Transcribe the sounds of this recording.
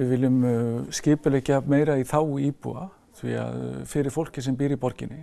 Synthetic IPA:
ɪvɪlːʏmscɪːpʏlɛhcameːjɾaiθawiːpṵa̰ | θvḭa̰ðfɪɾɪɾ̥fowl̥cɪ̥sɛmpiːɾipɔɾcɪ̰nːɪ

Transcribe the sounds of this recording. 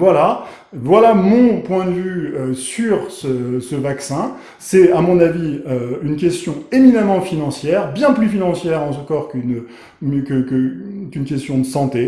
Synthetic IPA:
vwala | vwalamɔ̃pwɛ̃d̪əvyøsyʁsəsəvaksɛ̃ | sɛamɔ̃naviøynk̬ʲɛst̪jɔ̃eminamɑ̃finɑ̃sjɛʁbjɛ̃plyfinɑ̃sjɛʁɑ̃səkɔʁkn | kəkəkynkʲɛst̪jɔ̃d̪əsɑ̃t̪e

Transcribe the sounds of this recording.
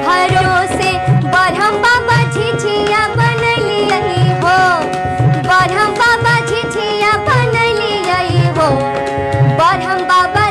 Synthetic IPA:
bɐɾosebɐɾʱəmbabat͡ʃʰiʈʰijãbɐnəliiɦo | bɐɾɐmbabat͡ʃʰitʰijãbɐnəlijɐiɦo | bɐɾɐmbaba

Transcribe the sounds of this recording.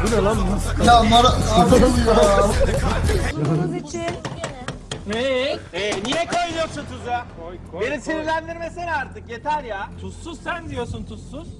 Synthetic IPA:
binalˠamusakamoɾ | a | zit͡ʃe | e | nijɛkʰojlˠjot͡ʃ̪ʰut̪ʰuza | be̞nisʰiniɾlʲænd̪iɾmeseɾaɾt̪ʰɯkje̞t̪ʰæɾjaːt̪ʰusːuz̥sænd̪ijoɾsunt̪ʰusːuz̥

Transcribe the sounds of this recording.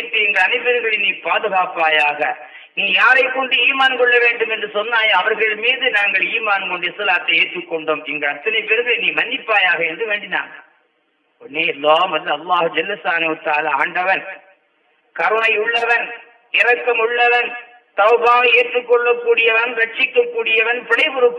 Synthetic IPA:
ʈːɯɛŋɡɐɐnɪpːɛɾɯŋɡɐɭɪniːpaːðɯɣaːpːaːjaːɣɐ | niːjaːɾɐɪkːɔɳɖɯiːmaːnkɔɭːɐʋeːɳɖɯmɛndrɯsɔnːaːjɐɐʋɐɾɣɐɭmiːðɯnaːŋɡɐɭiːmaːnkɔɳɖɪjɐsɐlaːt̪ːɐeːʈrɯkːɔɳɖoːmɛŋɡɐɭɐt̪ːɐnɐɪpːɛɾɯmbɐniːmɐnːɪpːaːjaːɣɐɛndrɯʋeːɳɖɪna̰ːŋ | ɔnːeːɐlːaːmʋɐld̪ɯɐlːaːhɯd͡ʒɐlːɐst̪aːnɐhɯt̪aːlaːa̰ːɳɖɐʋɐn | kɐɾɯɳɐɪʊɭːɐʋɐn | ɪɾɐkːɐmʊɭːɐʋɐn | t̪ɐʊbaːɣɐeːʈrɯkːɔɭːɐkːuːɽɪjɐʋɐnɾɐʈt͡ʃːɪkːɐkːuːɽɪjɐʋɐnpɪɽɐɪbɯɾɯpː

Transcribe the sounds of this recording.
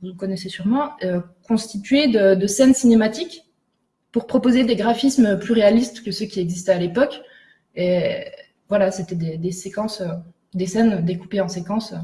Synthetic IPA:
vukɔnɛsesyʁmɑ̃ø | kɔ̃st̪it̪ɥed̪əd̪əsɛnsinemat̪ik | puʁpχɔpozed̪eɡʁafisməplyʁealist̪kəsøkʲiɛɡzist̪ɛalepɔk | e | vwalaset̪ɛd̪ed̪esekɑ̃sø | d̪esɛnd̪ekupeɑ̃sekɑ̃sø

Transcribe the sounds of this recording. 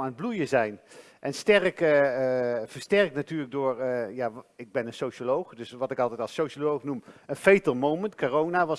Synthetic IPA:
aːnəd̚blujəzɛjn | ʔɛnstɛrk | vəstɛrknatyːɹləɡ̚dʊːrjaːɪɡ̚bɛnənsowʃolowχdɵsʋɑtɪkɑlˠtɛjtɑlˠsowʃolowχnumənfejtəlmowməntkorownaʋɑ

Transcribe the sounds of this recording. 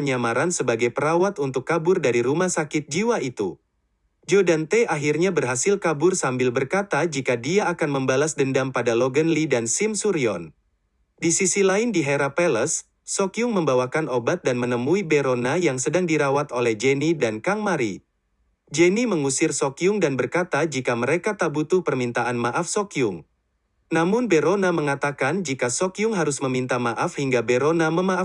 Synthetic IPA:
ɲamaɾansəbaɡajpəɾawat̪unt̪ʊkːabʊrdaɾiɾumasakɪt̪̚d͡ʒiwait̪ṵ | d͡ʒodant̪ɛʔaɦirɲabərɦasɪlkabʊrsambɪlbərkat̪ad͡ʒikadiaːkanməmbalasdəndampadaloɡənlidansimsuɾiɔ̰n | disisilaɪndiɦeɾapɛləsː | okiʊŋməmbawakanobat̪̚danmənəmuibeɾonajaŋsədaŋdiɾawat̪olɛhd͡ʒenidankaŋmaɾḭ | d͡ʒeniməŋusɪrsokiʊŋdanbərkat̪ad͡ʒikaməɾekat̪abut̪puhpərmint̪aʔanmaʔafsokiʊŋ | namʊnbeɾonaməŋat̪akand͡ʒikasokiʊŋɦaɾʊsməmint̪amaʔafhiŋɡabeɾonaməmaʔa

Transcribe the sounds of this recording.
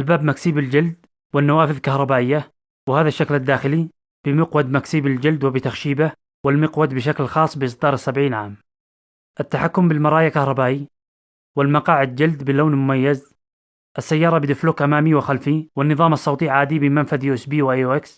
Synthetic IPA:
albaːbmaksiːbɪld͡ʒɪld̪ | wɪnːawaːfɪðkɑhɾˤɑbaːʔɪjːa | wɪhaːðaʃːaklad̪ːaːxɪli | b̥ɪmɪqwad̪maksiːbɪld͡ʒɪld̪wɪbɪt̪axʃiːba | wɪlmɪqwad̪bɪʃ̬aklxɑːsˤbɪʔɪsd̪ɑːɾˤɪsːabʕiːnʕa̰ːm | ʔat̪ːaħakːʊmbɪlmɑɾˤɑːjakɑhɾˤɑbaːʔi | wɪlmɑqɑːʕɪd̪̚d͡ʒald̪bɪloːnmʊmajːaz | ʔasːajːɑːɾˤɑbɪd̪ɪfluːkʔamaːmiwɪxalfiwɪnːɨðˤɑːmɑsˤːɑwt̪ˤiʕaːd̪ibɪmanfad̪juʔsbiːwʔajʔuːʔɪks

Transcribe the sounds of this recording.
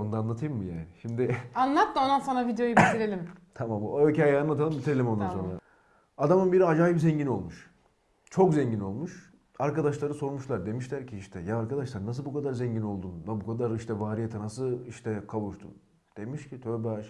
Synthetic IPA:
ond̪aːnˠat̪ʰɯjɯmːɯjaːnɪʃimd̪ɪanlˠat̪ːaonansanavid̪ejo̞jbit̪ʰiɾelʲimt̪ʰamamːoøcʰajɛanˠat̪ʰalˠɯmbit̪ʰiɾelʲimo̞nd̪anso̞nɾa | ad̪amɯnbiɾiad͡ʒaːjipzɛɲɟino̞lˠmuʃ | t͡ʃʰo̞kzɛɲɟino̞lˠmuʃ | aɾkad̪aʃlˠaɾɯso̞ɾmuʃlˠaɾd̪e̞miʃlʲæɾcʰiiʃt̪ʰɛjaːɾkʰad̪aʃlˠaɾnas̬ɯlˠbukʰad̪aɾzɛɲɟino̞lˠd̪unvabukʰad̪aɾiʃt̪ʰɛvaːɾijet̪ʰɛnasɯlˠiʃt̪ʰɛkʰavuʃt̪ʰṵn | d̪̥e̞miʃcʰit̪ʰøɾbaʃ

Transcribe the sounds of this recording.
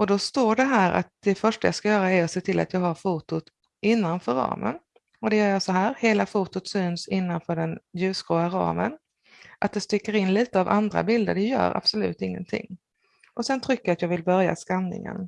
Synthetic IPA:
ʔɔd̪ɔst̪oːɖɛɦæːɾʔa̰t̪̚d̪̥ɛfœʂʈajɑskajœːɾaæɾɔseːt̪ʰɪlːʔa̰t̪jɑːɡhaɾfuːt̪ʊt̪ | ʔɪnːanfœɾɑ̰ːmə̰n | ɔd̪ɛjœːɾjasɔɦæːɾheːlafuːt̪ʊt̪syːnsɪnːanfœːɖɛnjʉ̟ːskɾoːaɾɑ̰ːmən | ʔat̪̚d̪ɛst̪ʏkːəɾɪnliːt̪əavand̪ɾa̰bɪld̪əɖɛjœ̰ːɾʔa̰b̥sɔlʉ̟̰ːt̪ɪŋːə̰nt̪ʰɪ̰ŋː | ʔɔsɛnt̪ʰɾʏkːəɾat̪jɑːɡvɪlbœɾja̰skanːɪ̰ŋə̰n

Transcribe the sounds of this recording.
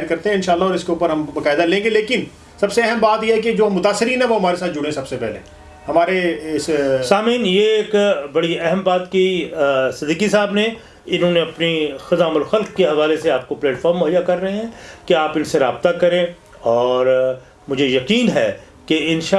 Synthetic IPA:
aɾkɐɾt̪ẽɦɛ̃ɪ̃nʃaːlːaɔːɾɪskeuːpəɾɦɐmbɐkaːɪd̪alẽːŋɡeleːkɪn | sɐbseɛɦɛmbaːt̪jeɦɛked͡ʒoːɐmːʊt̪aːsːɪɾiːnɦɛ̃ʋoɦɐmaːɾesaːt̪̚d͡ʒʊɽẽsɐbsepɛ̰ɦlḛ | hɐmaːɾeɪssaːmiːnjeːkbɐɽiɛɦɛmbaːt̪kisɪd̪iːkisaːbne | ɪnɦõːneɐpnixɐzaːməlxɐlkkeɦɐʋaːleseaːp̚koplɛːʈfʰɔːɾmːʊɦəjːakɐɾːɐɦẽɦɛ̃keaːpɪnseɾaːb̚t̪akɐɾẽ | ɔːɾ | mʊd͡ʒʱejɐqiːnɦɛ̰ː | keɪnʃa

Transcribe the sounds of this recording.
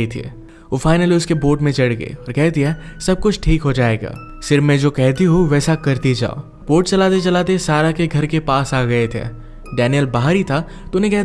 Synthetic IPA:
it̪ʰḭ | ofaːɪnəliʊskeboːʈmẽt͡ʃɐɽɡḛɔːɾkɛɦt̪iɦɛːsɐb̚kʊt͡ʃʰʈʰiːkɦod͡ʒaːeːɡa̰ː | sɪɾmẽd͡ʒoːkɛɦt̪iɦoʋɛːsakɐɾt̪id͡ʒa̰ːo̰ | b̥oːʈ̚t͡ʃɐlaːt̪̬et͡ʃɐlaːt̪̬esaːɾakeɡʱɐɾkepaːsaːɡɐet̪ʰḛː | ɖɛːnijəlbaːɦɾit̪ʰa | t̪oʊnɦẽkɛɦ

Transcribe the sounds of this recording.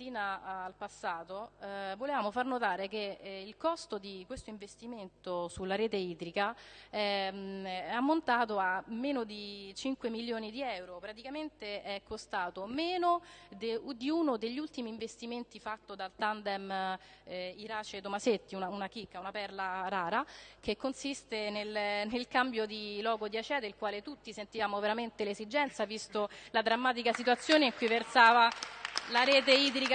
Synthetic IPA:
iːnaːlpasːaːt̪ovolevaːmofarnot̪aːɾek̟eilkɔst̪od̪ikwest̪oiɱvest̪iment̪osulːaɾeːt̪eiːt̪ɾikaɛ | ɛamːont̪aːt̪oamːeːnod̪it͡ʃiŋkwemiljoːnid̪iɛwɾopɾat̪ikament̪eɛkʰːost̪aːt̪omeːnod̪ed̪iunod̪eʎːiult̪imiːɱvest̪iment̪ifat̪ːod̪alt̪and̪ɛm | iɾaːt͡ʃet̪omaset̪ːiunaunakikːaunapɛrlaɾaːɾak̟ekːonsist̪enelnelkambjod̪ilɔːɡod̪iat͡ʃɛːd̪eilkwaːlet̪ut̪ːisent̪ivaːmoveɾament̪elezid͡ʒɛnt̪savist̪olad̪ɾamːaːt̪̬ikasit̪wat̪sːjoːneiŋkujversaːvalaɾɛːt̪eiːd̪ɾik

